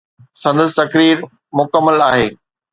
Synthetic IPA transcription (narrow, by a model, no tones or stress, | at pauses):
sɐ̃nd̪əs̬t̪ɐkɾiːɾ | mʊkəmːəlaːɦeː